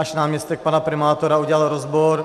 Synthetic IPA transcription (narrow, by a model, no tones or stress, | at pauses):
aʃnaːmɲɛst̪ɛk̚panapɾɪmaːt̪oɾauɟɛlalɾozboɾ